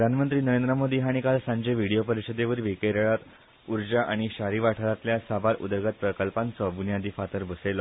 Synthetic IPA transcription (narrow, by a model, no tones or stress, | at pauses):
d̪ʱanmənt̪ɾiːnəɾend̪ɾəmod̪iːɦaɽ̃ikalsãɲd͡ʑeʋiɽijopəɾiɕəd̪eʋəɾʋikeɾəɭat̪ | uɾd͡ʑaʔaɽ̃iɕaɾiːʋaʈʰəɾat̪ljasabaɾṵd̪əɾɡat̪̚pɾəkəlpãnt͡sɔbunjad̪ifat̪əɾbʱəselɔ